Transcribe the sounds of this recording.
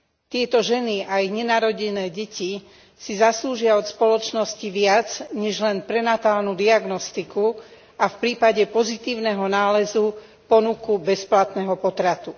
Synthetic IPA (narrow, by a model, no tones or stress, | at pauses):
t̪ɪɛt̪ɔʒɛniaiɣɲɛnaːɾɔɟɛnɛːɟɛci | sizasluːʒɪaɔt̪spɔlɔt͡ʃnɔsciʋɪat͡sɲɛʒlɛnpɾɛnat̪aːlnud̪iaɡnɔst̪iku | afpɾiːpaɟɛpɔzit̪iːʊnɛɦɔnaːlɛzu | pɔnukubɛsplat̪nɛɦɔpɔt̪ɾat̪u